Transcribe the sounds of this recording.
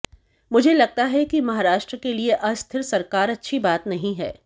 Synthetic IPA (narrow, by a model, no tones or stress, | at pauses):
mʊd͡ʒʱelɐɡ̚t̪aɦɛkimɐɦaːɾaːʃʈɾəkelieʔɐst̪ʰɪɾsɐɾkaːɾɐtːʃʰibaːt̪nɐɦĩɦɛ̰ː